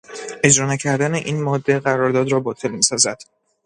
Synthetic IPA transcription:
ʔe̞d͡ʒɾɒːnæcʰæɾd̪æne̞ʔiːnmɒːd̪ːe̞ɣæɾɒːɾd̪ɒːd̪ɾɒːbɒːt̪ʰe̞lmiːsɒːzæd̪̥

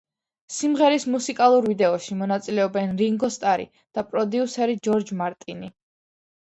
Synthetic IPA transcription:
simʁɛɾismusikʼalˠuɾvid̪ɛɔʃimɔnat̪sʼilɛɔbɛnɾiŋɡɔst̪ʼaɾḭ | d̪̥apʼɾɔd̪iusɛɾid͡ʒɔɾd͡ʒmaɾt̪ʼini

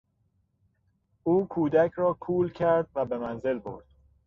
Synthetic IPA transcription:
ʔuːkʰuːd̪æcʰɾɒːkʰuːlcʰæɾd̪̚væbe̞mænze̞lbo̰ɾd̪̥

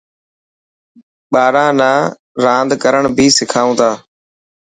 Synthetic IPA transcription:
ɓaːɾãːnaː | ɾãːnd̪kəɾəɳ̃bʱiːsɪkʰaːũːt̪aː

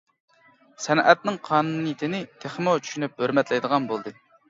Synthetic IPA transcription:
sɛnɛt̪̚nɨŋqʰɑːnunɨjit̪ʰɪnɪt̪ʰeχmot͡ʃʰy̥ʃynyp̚høɾmɛt̪lɛjd̪əʁɑnbolˠd̪ɨ

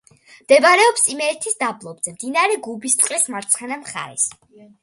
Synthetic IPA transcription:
md̪̥ɛbɾɛɔpsimɛːɾt̪ʰisd̪ablˠɔbz̥ɛmd̪inaɾɛɡubist̪sʼqʼlismaɾt̪sʰχɛnamχa̰ɾɛ̰s

